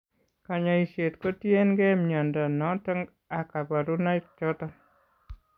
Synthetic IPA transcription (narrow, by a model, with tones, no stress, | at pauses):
ka˨ɲa˨i˨sje˨tko˦tje˦nɡɛ˦mɲɔ˨ndɔ˨nɔ˨˦tə˦ŋɡ | a˨ka˨ba˨ɾu˦na˦ik̚t͡ʃɔ˦tɔ˦